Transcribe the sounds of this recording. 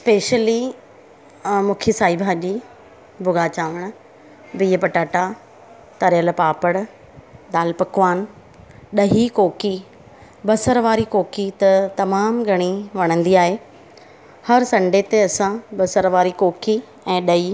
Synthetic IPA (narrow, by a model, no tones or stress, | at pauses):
speːʃəli | mũːkʰisaːibʱaːʄi | bʱʊɡaːt͡ɕaːʋəɽ̃ | biːpɐʈaːʈa | t̪ɐɾjəlpaːpəɽ | d̪aːlpɐkʋaːn | ɗɐɦikoːki | bɐsəɾʋaːɾikoːkit̪ɐt̪ɐmaːmɡʱɐɽ̃iʋɐɽ̃ə̃nd̪iaːɦe | hɐɾsɐ̃ɳɖet̪eɐsãbɐsəɾʋaːɾikoːki | ɛ̃ːɗɐi